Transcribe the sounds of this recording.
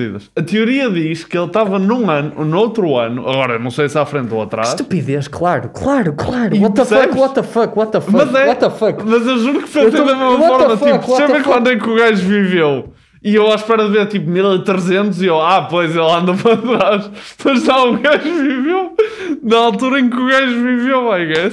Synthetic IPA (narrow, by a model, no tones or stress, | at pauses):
ḭðɐʃɐt̪iuɾiɐðiʃkelˠt̪avɐnũɐnunowt̪ɾuɐnuʔɐ̰ɣɔɾɐnɐ̃w̃sejsafɾẽnt̪oɐt̪ɾaʃupiðeʃklˠaɾuklˠaɾuklˠaɾiɔt̪ɐsɛɔt̪ɐfɐkwɔt̪ɐfɐmɐzɛɔt̪ɐfɐkmɐzewʒuɾukfẽsẽðɐmemɐfɔɾmɐtfipusẽmpɾẽkwɐ̃nd̪ɛkuɣajʒvivew | iewaʃpɛɾɐðɨveɾt̪ipumilˠit̪ɾɨzẽnt̪uziewapojzelˠɐ̃nd̪ɐpɐɾɐt̪ɾaʃ | mɐʒzaũɣajʒvivewnɐalˠt̪uɾɐẽŋkuɣajʒvivewmaɣɛʃ